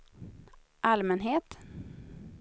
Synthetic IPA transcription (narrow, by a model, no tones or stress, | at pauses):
ʔalmɛnɦeːt̪